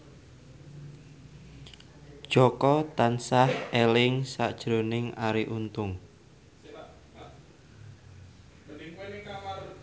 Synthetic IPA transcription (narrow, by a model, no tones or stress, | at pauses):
d̥ʒ̥ɔkɔt̪ansahelɪŋsa̰d̥ʒ̥ɾonɪŋaɾiʔunt̪ʊŋ